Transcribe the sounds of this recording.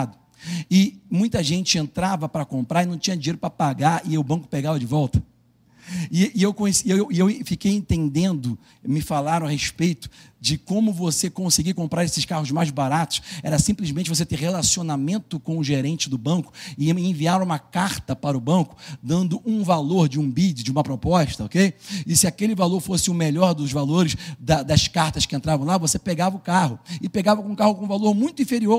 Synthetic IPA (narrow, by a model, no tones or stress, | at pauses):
d̪ʊ | ɪmũj̃t̪ɐʒẽnt͡ʃɪẽnt̪ɾavɐpɾɐkõmpɾaɾɪnɐ̃w̃t͡ʃĩɲɐd͡ʒiɲejɾʊpɾɐpaɡaɾɪʊbɐ̃ŋkʊ̥peɡavɐd͡ʒɪvɔwt̪ɐ̥ | ɪewkõjsewwewfikejẽnt̪ẽnd̪ẽnd̪ʊ | mɪfalaɾɐ̃ɐɦeʃpejt̪ʊ̥ | d͡ʒɪkõmʊvosekõseɡikõmpɾaɾesɪʃkahʊzmajzbaɾat̪ʊ̥sɛ̰ɾɐsĩplɪʒmẽt͡ʃɪvoset̪eɾhelasionamẽnt̪ʊkõʊʒeɾẽnt͡ʃɪd̪ʊbɐ̃kʊ̥ɪẽviaɾũmɐkaɾt̪ɐpaɾʊbɐ̃kʊ̥d̪ɐ̃nd̪ʊʔũvaloɾd͡ʒɪũbid͡ʒɪd͡ʒɪũmɐpɾopɔʃt̪ɐokejɪsɪakelɪvaloɾfosɪʊmeʎɔɾd̪ʊzvaloɾɪʃd̪ɐd̪ɐskaɾt̪ɐʃkɪẽnt̪ɾavɐ̃w̃lavosepeɡavɐʊkaɦʊɪpeɡavɐkõũkahʊkõũvaloɾmũj̃t̪ʊĩfeɾioɾ